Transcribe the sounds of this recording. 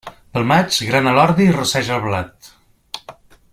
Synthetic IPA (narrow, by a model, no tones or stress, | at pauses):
b̪əlˠmat͡ʃɣɾanəlɔɾðirusɛʒəlˠβlat̪